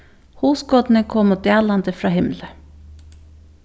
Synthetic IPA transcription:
huːsɡoːd̪n̩əkʰɔmoːd̪eːlɑnd̪əfɾɑːhɪmlə

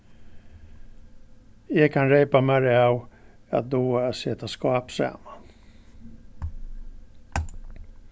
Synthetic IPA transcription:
jeːɡkʰanɾɛjpamɛɾɛawa̰t̪̚d̪oːseːt̪askɑːpsɛ̰man

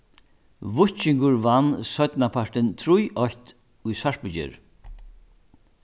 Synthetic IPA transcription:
vʊht͡ʃɪŋkʊɹvanːsœt̪napʰaɹʈɪnt̪ʰɾujʔɔçt̪ | ʊjsaɹpʏt͡ʃɪ̰ɾ

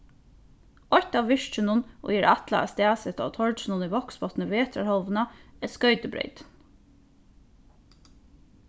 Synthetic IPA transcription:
ɔt̪ɑːʋʋɪʃt͡ʃənʊnʔɔ̰jɛɾɑt̪lɑ̰ɑ̰st̪æːsət̪ɔ̰t̪ʰɔɹt͡ʃənʊniʋɔksbɔt̪nəʋeːt̪ʰɾa̰ɾhɔlʋnɑɛskœʏt̪əbɾœ̰ʏt̪

